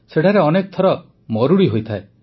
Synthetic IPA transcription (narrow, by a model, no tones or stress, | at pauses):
seʈʰaɾeɔnek̚t̪ʰɔɾɔ | mɔɾuɽiɦojt̪ʰae